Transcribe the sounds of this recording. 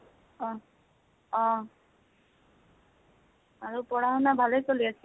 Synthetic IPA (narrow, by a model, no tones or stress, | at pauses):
ɔ̃ | ɔ̃ | aɹupɔɹaɦɔnabʱalojsoliasɛ